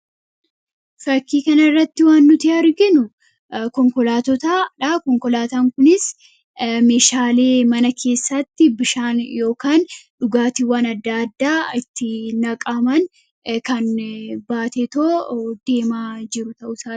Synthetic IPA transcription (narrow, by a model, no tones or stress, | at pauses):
fɐkːiːkɐnɐɪrːɐt̪ːɪwaːnːʊt̪ɪɐɾɡɪnʊ | kɔŋkɔlaːt̪ɔt̪aːᶑɐkɔŋkɔlaːt̪aːŋkʊnɪs | me̞ːʃaːle̞ːmɐnɐkʰe̞ːsːɐt̪ːɪbɪʃaːnjo̞ːkaːnᶑʊɡaːt̪ɪwaːnɐd̪ːɐːd̪ːaːɪt̪ːɪnɐkʼamɐn | kɐnbaːt̪et̪oːd̪̥e̞ːmaːd͡ʒɪɾʊt̪ɐʔʊsaː